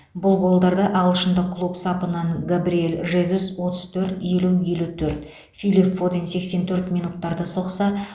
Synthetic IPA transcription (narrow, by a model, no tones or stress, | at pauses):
bʊlˠɡo̞lˠd̪ɑɾd̪əʔɑlˠəʃənd̪əkʰlˠupsɑpənɑŋɡabɾijelʲʒezuswo̞t̪əz̥t̪ʰɵɾt̪je̞luje̞lut̪ʰɵɾt̪ | fijlipfod̪ense̞kse̞nt̪ʰɵɾt̪mijnut̪ːɑɾd̪əso̞qsɑ